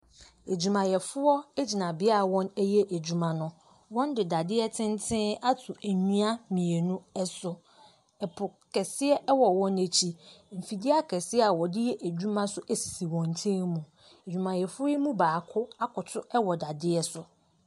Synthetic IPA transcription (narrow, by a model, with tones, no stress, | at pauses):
e˨d͡ʑu˨mã˨jɛ˨fʊ˦ɔ˦e˦d͡ʑi˨nã˨bɪ˦a˦a˨wɔ̃˦næ˦jɛ˦ʔæ˨d͡ʑᶣu˨mã˨nʊ̃˨ | wɔ̃˦ndɪ˨da˨dɪ˦ɛ˦tʰɪ̃˦ntʰɪ̃˦a˦tʰʊ˨æ˨ɲũ˦a˦mĩ˨e˨nũ˦ɛ˦sʊ˨ | ɛ˨pʰʊ˨kʰɛ˨sɪ˦ɛ˦ʔɛ˦wɔ˨wɔ̃˦næ˨t͡ɕʰi˦m̩˨fi˨dɪ˦a˦kʰɛ˨sɪ˦ɛ˦a˨wɔ˨dɪ˦jɛ˦ʔæ˨d͡ʑᶣu˦mã˦sʊ˦æ˦si̥˨si˨wɔ̃˨ntʰẽ˦ŋmũ˨ | e˨d͡ʑᶣu˨mã˨jɛ˨fʊ˦ɔ˦i˦mũ˦baː˨kʰʊ˦a˦kʰʊ˨tʰʊ˦ɛ˦wɔ˨da˨dɪ˦ɛ˦sʊ˨